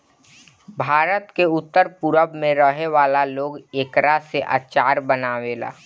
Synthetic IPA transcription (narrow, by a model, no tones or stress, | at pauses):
bʱaːɾət̪keʊt̪ːəɾpʊɾəbmẽɾəɦeʋaːlaloːɡeːkɾaseʔa̰ːt͡ʃaːɾbənaːʋeːla̰ː